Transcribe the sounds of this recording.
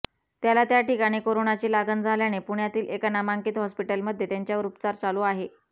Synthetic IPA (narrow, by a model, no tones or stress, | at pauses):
t̪jalat̪jaʈikaɽ̃iːkoɾonat͡ɕiːlaɡənd͡zʱaljañepuɳjat̪iːlekənamaŋkiːt̪ɦɔspiʈəlməd̪ʱjet̪jaɲt͡ɕjauɾupt͡saɾt͡saluːaɦe